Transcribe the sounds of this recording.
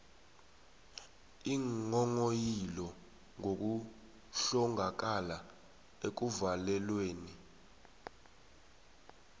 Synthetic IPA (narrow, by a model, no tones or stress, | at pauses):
iŋɔŋojilɔ | ŋok̬u | ɬɔŋʱak̬ala | ek̬uvalɛlweːni